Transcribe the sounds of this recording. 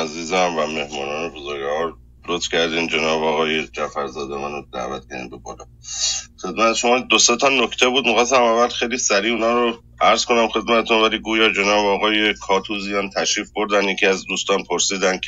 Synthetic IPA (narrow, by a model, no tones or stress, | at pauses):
æziːzæmvæme̞hmɒːnɒːnebozoɾɡæɦɒːɾ | ɾot̪ʰfcʰæɾd̪iːnd͡ʒe̞nɒːbɒːɣɒːjed͡ʒæfæɾzɒ̰ːd̪emænod̪æ̰ːvæt̪̚kcʰæ̰ɾd̪ḭmbebɒ̰ːlɒ̰ | xe̞d̪mæt̪ʰeʃo̞mɒːd̪oset̪ʰɒnokʰt̪ʰebuːd̪mixɑs̬t̪æmævælxejlisæɾiːunɒːɾo | æɾz̥konæmxe̞d̪̚mæt̪ʰet̪ʰunvæliːɡuːjɒːd͡ʒe̞nɒːbɒːɣɒːjekʰɒːt̪ʰuːzijɒːnt̪ʰæʃɾiːfboɾd̪ænjecʰiæzd̪uːst̪ɒːnpʰoɾsiːd̪ænkʰe